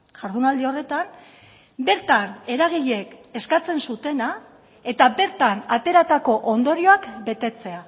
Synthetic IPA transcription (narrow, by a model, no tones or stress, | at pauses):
ʝaɾðunald̪io̞re̞t̪an | be̞ɾt̪ane̞ɾaɣiʎe̞ke̞skat͡se̞nsut̪e̞na | e̞t̪abe̞ɾt̪anat̪e̞ɾat̪ako̞ʔond̪o̞ɾio̞akbe̞t̪e̞t͡se̞a